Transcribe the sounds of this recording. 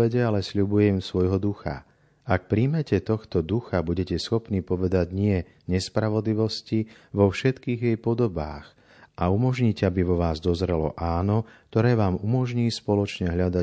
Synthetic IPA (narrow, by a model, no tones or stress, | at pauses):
ɛɟɛalɛsʎubujɛmsʋɔjɦɔd̪uxa̰ | ak̚pɾiːmɛcɛt̪ɔxt̪ɔd̪uxabuɟɛcɛsxɔpniːpɔʋɛd̪aɟɲɪɛ | ɲɛspɾaʋɔd̪liʋɔsci | ʋɔfʃɛt̪kiːɣjɛjpɔd̪ɔbaːx | ʔaumɔʒɲiːcɛabiʋɔʋaːzd̪ɔzɾɛlɔ̰ʔaːnɔk̚t̪ɔɾɛːʋaːmumɔʒɲiːspɔlɔt͡ʃɲɛɦʎad̪a